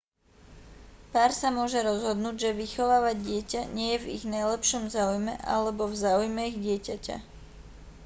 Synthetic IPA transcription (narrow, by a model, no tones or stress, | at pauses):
paːɾsamʊɔʒɛɾɔzɦɔd̪nuːɟʒɛʋixɔʋaːʋaɟdɪɛcaɲɪɛjɛvḭɣnajlɛpʃɔmzaːujmɛʔa̰lɛbɔvzaːujmɛiɣɟɪɛcaca̰